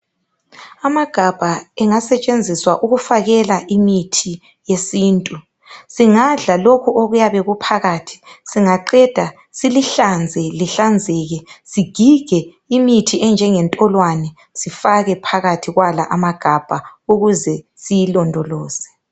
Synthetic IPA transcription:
amaɡ̥ʱab̥ʱaɛŋasɛt͡ʃʼend͡zʱiswaʔuɣufaɣɛlaʔimitʰi | jesiːntʼu | siŋaɮalokʰuʔoɣujaβɛɣupʰaɣatʰi̥siŋaǃɛd̥ʱa | siliɬand͡zʱɛliɬand͡zʱɛɣɛsiɡ̥ʱiɡ̥ʱɛ | imitʰiɛnd͡ʒʱɛŋɛntʼɔlwanɛ | sifaɣɛpʰaɣatʰiɣwalaʔamaɡ̥ʱab̥ʱauɣuzɛ | sijilɔndʱɔlɔːzɛ̥

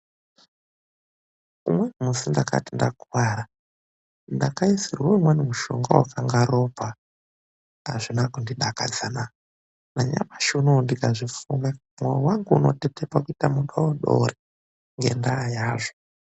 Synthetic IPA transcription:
umwemusindakʰa̰tindakuwaɾa | ndakaisirwoimwenemuʃo̰ŋɡawakʰaŋɡaɾopa | a̰ʐinakundiɗakad͡zana | naɲa̰maʃunondikaʐifume | mwewaŋɡuuno̰tetepakuitamuɗawoɗo̰re | ŋɡe̞̰ndaːjaːʐo

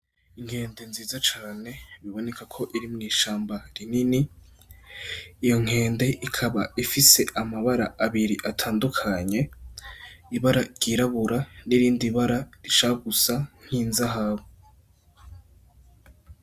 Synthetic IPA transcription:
iŋ̥he̞ːnde̞nziːzat͡ʃaːne̞βiβo̞ne̞kʰakʰo̞ʔiɾimŋiːʃaːmbaɾinini | jo̞ŋ̥e̞ːnde̞ʔikʰaβaifise̞ʔamaβaɾaʔaβiɾiʔatʰaːndukʰaɲe̞ | iβaɾaɾɟ̥iɾaβuɾaniɾiːndiβaɾaɾiʃaɡusaŋ̥hiːnzaɦaβo

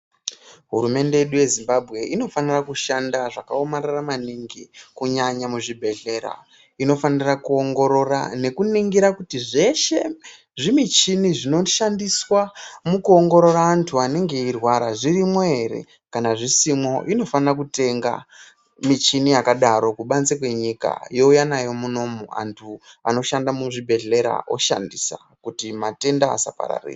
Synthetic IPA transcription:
ɦṵɾume̞nde̞je̞ɗuje̞zimbabʱɣe̞ʔino̞fanirakuʃandaʐakaomararamaniŋɡikuɲaɲamuʐibʱe̞ɮe̞ːɾa̰ | ino̞fanirakuo̞ŋɡo̞ɾo̞ra̰ne̞kuniŋɡiɾakutiʐe̞ʃe̞ | ʐimit͡ʃiniʐino̞ʃandiswamukuo̞ŋɡo̞ɾo̞ɾaːntʰuane̞ŋɡe̞irwaɾaʐirimwoe̞ɾe̞̰ | kanaʐisimwo̞ʔino̞fanrak̬ute̞ŋɡa̰ | mit͡ʃinijakaɗaɾo̞kuɓanzekwe̞ɲika̰jo̞ujanajo̞muno̞mua̰ntʰua̰no̞ʃandamuʐibʱe̞ɮe̞ɾa̰o̞̰ʃa̰ndisa̰ | kutimate̞nda̰ːsa̰pa̰ɾa̰rḛːi

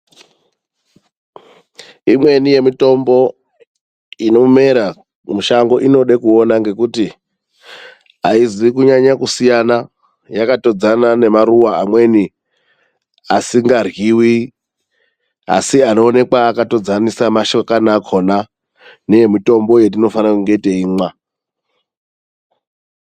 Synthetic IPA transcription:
imwe̞nije̞mito̞mbo̞ | ino̞me̞ɾa | muʃaŋɡo̞ʔino̞ɗekuonaŋɡe̞kuti | aizikuɲaɲakusijana | jakato̞d͡zanane̞maɾuwaamwe̞ni | asiŋɡarɣiwi | a̰siano̞ːne̞kwaːkato̞d͡zanisamaʃokanakʰona | nemito̞mbo̞je̞t̬ino̞fanakuŋɡe̞iteiːmwa

